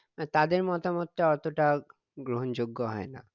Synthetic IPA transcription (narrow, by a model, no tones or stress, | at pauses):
t̪ad̪eɾmɔt̪amot̪ːaɔt̪oʈa | ɡɾoɦond͡ʑoɡːoɦɔena̰